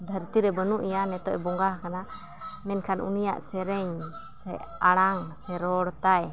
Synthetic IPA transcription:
d̪ʱəɾt̪iɾɛbənuʔjanɛt̪ɔ̰ʔbɔŋɡahkana | mɛnkʰanʔṵnija̰ʔsɛɾɛɲ | sɛaɽ̃aŋsɛɾɔɽt̪aj

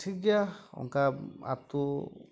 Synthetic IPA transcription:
tʰiɡjaɔ̰ŋkaa̰pt̪u

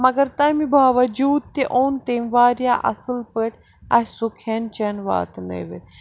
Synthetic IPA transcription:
mɐɡɐɾt̪ɐmibʱaːʋɐd͡ʒuːd̪̚t̪eʔoːnt̪eːmʋaːɾjaːʔɐ̰sɨlpəʈʰʲ | ɐsukʰent͡ʃɐnʋa̰ːt̪nḛːʋe

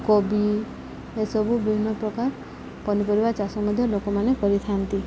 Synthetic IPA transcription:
kɔbi | esɔbubʱibʱinːɔpɾɔkaɾ | pɔnipɔɾibat͡ʃasɔmɔd̪ʱjɔlokɔmanekɔɾit̪ʰant̪i

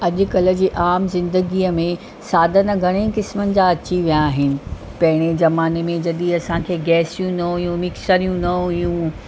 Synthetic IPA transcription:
ɐʄʊ̆kɐlə̆d͡ʑiːʔaːmzɪ̃nd̪əɡiːəmẽ | saːd̪ʱənəɡʱɐɽ̃ekɪsmənɪ̆d͡ʑaːɐt͡ɕiʋijaːɦɪnɪ̆ | pɐɦɪɽ̃ezɐmaːnemẽd͡ʑɐɗiɐsãkʰeːɡɛːsijũnɐijũmɪksəɾijũnɐijũ

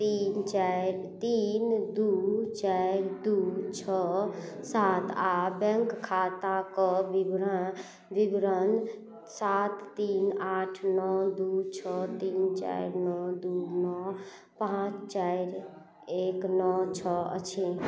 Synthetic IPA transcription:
t̪int͡ʃaɪɾt̪ind̪ut͡ʃaɪɾd̪ut͡ʃʰɔ | sat̪abɛŋkkʰːat̪akɔʋibɾa | ʋibɾən | sat̪ːinaʈʰnɔd̪ut͡ʃʰɔt̪iːnt͡ʃa̰iɾnɔd̪unɔ | pãt͡ʃt͡ʃajɾ | eknɔt͡ʃʰɔə̰t͡ʃʰe

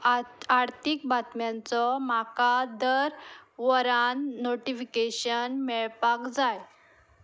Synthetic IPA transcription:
aɾt̪ʰik̚bat̪mjãnt͡sɔmakad̪əɾʋəɾanːoʈifikeɕənmɛɭpakd͡zaj

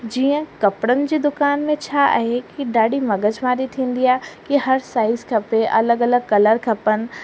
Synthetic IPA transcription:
d͡ʑiːə̃kɐpɽənɪ̆d͡ʑiːd̪ʊkaːnmẽt͡ɕʰa̰ɦekiɖaːɖimɐɡəd͡ʒmaːɾit̪ʰĩːnd̪ijakiɦɐɾsaːɪzkʰɐpeʔɐ̰ləɡɐləɡ̚kɐləɾkʰɐpən̆

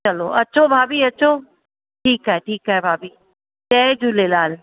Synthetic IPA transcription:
t͡ɕɐlo̰ʔɐt͡ɕʰobʱaːbʱiːɐt͡ɕʰo | ʈʰiːkaːɦeʈʰiːkaːebʱaːbʱiː | t͡ɕɛːd͡ʑulelaːl

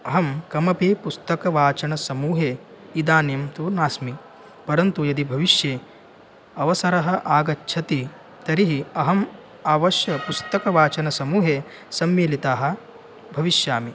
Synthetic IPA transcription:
ɐɦɐmkɐmɐpeːpust̪ɐkɐʋaːt͡ʃɐnɐsɐmuːɦeː | id̪aːnjɐmt̪unaːsmi | pɐɾɐnt̪ujɐd̪ibʱɐʋiʃjeː | ɐʋɐsɐɾɐɦɐ̆ʔaːɡɐtːʃʰɐt̪i | t̪ɐɾiɦiɐɦɐm | aːʋɐʃjɐpust̪ɐkɐʋaːt͡ʃɐnɐsɐmuːɦeː | sɐmʋeːlit̪aːɦɐ̆ | bʱɐʋiʃjaːmi

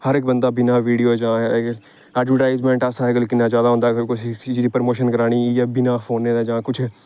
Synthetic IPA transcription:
həɾɪk̚bənd̪aːbɪnaːʋiːɖijoːd͡ʒãː | ɛːɖʋəʈaːɪzmɛ̃ːɳʈasãːɦɛɡəlkɪnːãːd͡ʒjaːd̪aːɦõnd̪aːkʊsit͡ʃːd͡ʒd̪iːpəɾmoːʃənkəɾaːɽ̃iːjaːbɪnaːfʰoːnːeːd̪aːd͡ʒãːkʊt͡ʃʰ

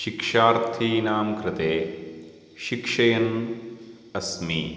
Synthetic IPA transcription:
ʃikʂaːɾt̪ʰiːnaːmkɾɪt̪eː | ʃikʂɐjɐn | ɐsmḭː

